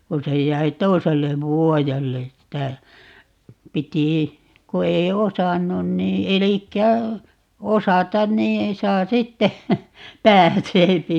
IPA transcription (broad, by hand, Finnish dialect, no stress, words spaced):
ku se jˑæi toiselːeʋ ʋuojelːe tːæ piti ku ei osɑnːun niː elikːæ osɑtɑn niː sɑː sitːe pæːseːpi